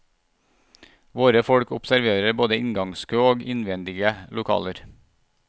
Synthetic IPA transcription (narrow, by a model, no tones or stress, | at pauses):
ʋoːɾəfɔɽkʊpsæɾʋeːɾəboːd̪əɪŋɡɑŋskʰøːoːɡɪnʋɛnd̪ɪɡəlʊkʰɑ̰ːləɾ